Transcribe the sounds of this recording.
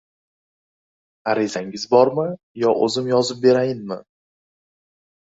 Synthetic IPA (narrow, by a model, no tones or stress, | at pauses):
aɾizaŋɪzbɒɾmɪ | jɒʔɵzɪmjɒzɪp̚be̞ɾajɪnmɪ